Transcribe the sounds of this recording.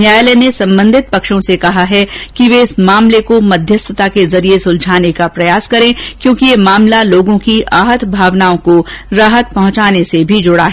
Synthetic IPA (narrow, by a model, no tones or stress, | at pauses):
njaːjlenesɐ̃mbə̃nd̪ʱɪt̪̚pɐkʃõsekɐɦaɦɛkiʋeɪsmaːmlekomɐd̪ʱjəst̪ʰət̪akezɐɾiesʊld͡ʒʱaːnekapɾɐjaːskɐɾẽːkjõːkijemaːmlaloːɡõkiʔaːɦət̪bʱaːʋnaːõkoɾaːɦət̪̚pɐɦʊ̃t͡ʃaːnesebʱid͡ʒʊɽaɦɛː